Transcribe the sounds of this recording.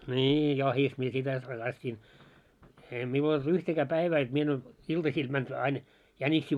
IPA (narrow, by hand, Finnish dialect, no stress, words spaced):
nʲiː jɑhis mie sitæ hɑrːɑstin eːi miul old̥ yhtækæː pæiʋæː jot mie en ois iltɑsiːl mænd̥ ɑin jænʲiksiː